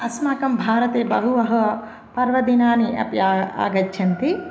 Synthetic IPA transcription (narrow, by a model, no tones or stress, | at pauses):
ɐsmaːkɐmbʱaːɾɐt̪eːbɐɦuʋɐɦɐ̆ | pɐɾʋɐd̪inaːniʔɐ̰pjaːa̰ːɡɐt͡ʃːʃʰɐnt̪i